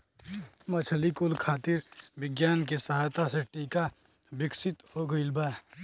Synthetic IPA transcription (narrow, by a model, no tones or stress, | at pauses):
mət͡ʃʰlikʊlkʰaːt̪ɪɾbɪɡjaːnk̬esəɦaːjt̪aseʈiːka | bɪksɪt̪hoɡəilbaː